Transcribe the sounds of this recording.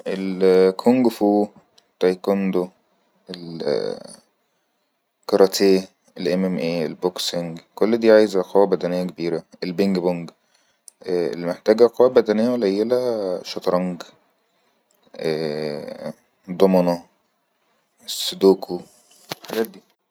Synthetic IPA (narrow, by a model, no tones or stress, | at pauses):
ʔelkʰoŋɡfuː | t̪ɑjkond̪o | el | kɑɾˤɑt̪ʰeː | elʔemʔemʔeːelbokseŋɡkolːd̪iːʕaːjezæqʰɑwæbæd̪ænejːækebiːɾæelbeŋɡboŋɡ | ʔḛlːmeħt̪æːɡæqɑwːæbæd̪ænejːælæjːelæʃɑt̪ɾˤɑŋɡ | ʔæː | d̪ˤomɑnɑ | esːed̪oːkʰo | lħaɡæːt̪̚d̪iː